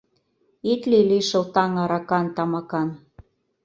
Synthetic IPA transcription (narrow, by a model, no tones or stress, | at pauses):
it̪liliʃɤ̆lt̪ɑŋɑɾɑkɑnt̪ɑmɑkɑn